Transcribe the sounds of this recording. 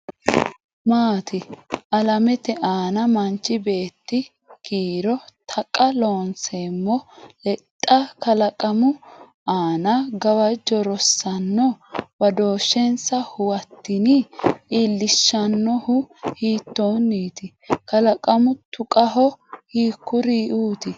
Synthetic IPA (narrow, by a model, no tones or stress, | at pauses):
maːt̪ɪʔɐlɐmɛt̪ɛʔaːnɐmɐnt͡ʃːɪbe̞ːt̪ːɪ | kiːɾɔt̪ʰɐkʼːɐlo̞ːnseːmːɔlɛt̪ʼːɐkɐlɐkʼɐmʊ | aːnɐɡɐwɐd͡ʒɔɾɔsːɐnːɔbɐd̪o̞ːʃːɛnsɐhʊwɐt̪ːɪnɪilːɪʃːɐnːɔhʊhiːt̪ːo̞ːnːiːt̪ɪ | kɐlɐkʼɐmʊt̪ʊkʼɐɦɔhiːkːʊɾiːʔuːt̪ɪ